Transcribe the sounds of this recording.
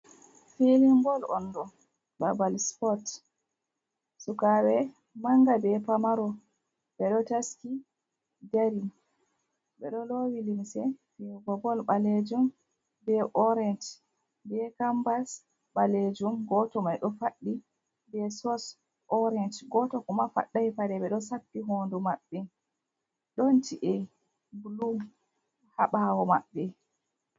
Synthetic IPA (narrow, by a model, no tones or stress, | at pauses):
felimɡɔlɔ̰nːdɔ | babalspɔt | sukawɛ | maŋɡabɛpamaɾɔ | bɛɗɔtaski | d͡ʒaɾi | bɛɗɔlowilimsɛfɛɡɔbɔlɓaled͡ʒum | bɛʔɔɾɛnt | bɛkambas | ɓaled͡ʒumɡɔtɔmajɗɔfaɗːi | bɛsɔs | ɔɾɛnt͡ʃɡɔtɔkumafa̰ɗːajfadɛɓɛɗɔsapːiɦondumaɓːɛ | ɗɔnt͡ʃiʔɛ | blu | haɓawɔma̰ɓːɛ